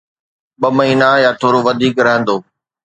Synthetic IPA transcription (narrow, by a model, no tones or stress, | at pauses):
ɓɐmɐɦiːnajaːt̪ʰoːɾoʋɐd̪ʱiːkɾɐɦə̃nd̪oː